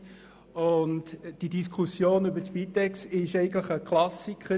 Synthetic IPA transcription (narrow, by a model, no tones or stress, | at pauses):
ʊntd̥idiskʰχusjoːnʏbəpitɛksɪʃɛɪɡən̩tləχəkʰlɑsikχə